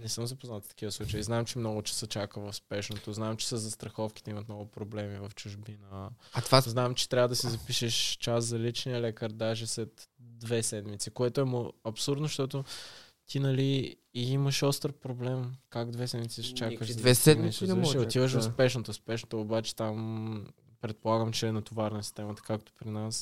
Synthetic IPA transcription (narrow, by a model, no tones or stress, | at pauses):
nɛsɤmzɐpoznat̪ft̪ɐ̥k̟ivəslˠut͡ʃəiznaɛmt͡ʃɛmnɔɡʊt͡ʃɛ̥sət͡ʃakəvɐfspɛʃnot̪oznamt͡ʃɛ̥səzɐst̪ɾɐxɔfkʲi̥t̪ɛimət̪nɔɡʊpɾoblɛmivɐft͡ʃʊʒbinət̪vaznamt͡ʃɛ̥t̪ɾʲavəd̪ɐsizɐpiʃɛʃt͡ʃaszɐlit͡ʃniɐlɛkəɾd̪aʒɛslɛt̪d̪vɛsɛd̪mit̪sikoɛt̪oɛmʊɐpsuɾd̪noʃt̪ɔt̪ot̪inɐliː | iməʃɔst̪ɾpɾoblɛmkaɡd̪vɛsɛd̪mit̪siʃɛ̥t͡ʃakəʃd̪vɛɛd̪misɛot̪ivəʃ̬ʊspɛʃnot̪ospɛʃnot̪oːbat͡ʃɛ̥t̪am | pɾɛt̪̚polˠaɡəmt͡ʃɛːnɐt̪ovaɾnɐsi̥st̪ɛmɐt̪ə̥kakt̪o̥pɾinas